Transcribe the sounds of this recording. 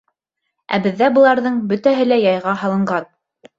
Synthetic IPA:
æ̰bɘ̆ðːæbɤ̆lˠɑɾðɤɴbɵ̆t̪æɦɘlæjɑjʁɑhɑlˠɤ̆ɴɢɑn

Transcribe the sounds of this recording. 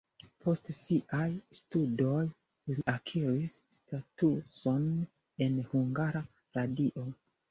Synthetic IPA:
pʰo̞stsiʔajstudo̞j | liʔakʰiɾisːtatuso̞n | e̞nhuŋɡaɾa | ɾadiʔo̞

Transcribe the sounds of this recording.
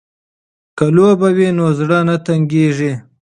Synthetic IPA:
kalobawinozɽənat̪aŋɡeʐi

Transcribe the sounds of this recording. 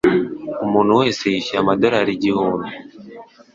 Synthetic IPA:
umuːn̤uwe̞ːsejiʃiamadoɾaɾiɟihuːndu

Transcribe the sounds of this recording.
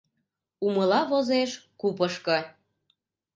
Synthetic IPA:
uməlɑβozeʃkupəʃkɤ

